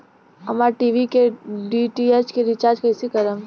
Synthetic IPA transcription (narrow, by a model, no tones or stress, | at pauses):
ɐmaːɾʈiːʋikeɖiʈiet͡ʃkeɾɪt͡ʃaːɾd͡ʒkɐɪsikɐɾəm